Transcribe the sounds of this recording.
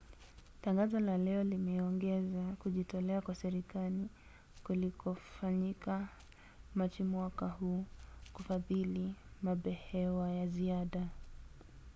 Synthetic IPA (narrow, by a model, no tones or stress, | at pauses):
taŋɡazɔlalɛɔlimɛɔŋɡɛzakuʄitɔlɛakwasɛɾikali | kulikɔfaɲika | mat͡ʃimwakahuːkufaðilimaɓɛhɛwajaziaɗa